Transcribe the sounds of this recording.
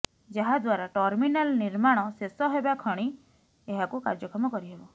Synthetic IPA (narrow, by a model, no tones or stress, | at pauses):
d͡ʒaɦad̪waɾaʈɔɾminalniɾmaɽ̃ɔsesɔɦebakʰɔɽ̃i | eɦakuka̰ɾd͡ʒɔkɔmɔkɔɾiɦebɔ